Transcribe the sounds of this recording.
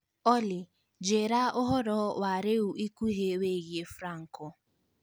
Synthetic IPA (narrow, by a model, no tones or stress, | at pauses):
ɔlɪ | d͡ʒeɾaʊɦɔɾɔwaɾewuʔikʷuɦeweɣjefɾaŋ̩kʊ